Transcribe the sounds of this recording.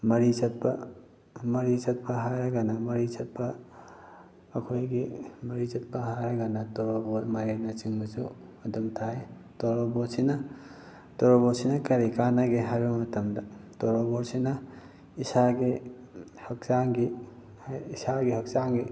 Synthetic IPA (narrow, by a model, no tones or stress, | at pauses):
mɐɾisɐt̚pɐ | mɐɾisɐt̚pɐɦaɾɐɡɐnɐmɐɾisɐt̚pɐ | kʰojɡimɐɾit͡ʃɐt̚pɐɦaɾɐɡɐnɐtoɾoboɾmajanɐt͡ʃiŋbɐsu | ɐdumtʰaj | toɾobosinɐ | toɾoboɾsinɐkɐɾikanɐɡeɦajbɐmɐtɐmdɐtoɾoboɾsinɐ | isaɡi | hɐk̚t͡ʃaŋɡi | isaɡiɦɐk̚saŋɡi